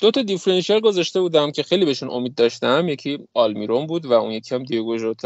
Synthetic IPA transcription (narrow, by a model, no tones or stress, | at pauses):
d̪ot̪ʰɒd̪ifɾenʃiɑlɡo̞zæʃt̪e̞buːd̪æmcʰe̞xejlibeʃunʔo̞̰miːd̪̚ːɒʃt̪æmje̞cʰiːɒlmiɾombuːd̪væṵnje̞cʲʰiæmd̪ijeɡoʒot̪ʰ